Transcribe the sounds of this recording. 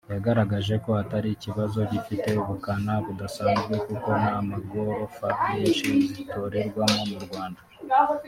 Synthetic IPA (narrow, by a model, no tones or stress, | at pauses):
jaɡaɾaɡaʒe̞ko̞hataɾiciβazo̞ɟifite̞uβukanaβudasaːnzɡekuko̞naːmaɡo̞ɾo̞faeʃizito̞ːɾe̞ɾɡwamo̞muɾɡwaːnda